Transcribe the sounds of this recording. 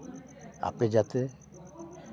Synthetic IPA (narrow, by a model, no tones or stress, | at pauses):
a̰ped͡ʒat̪e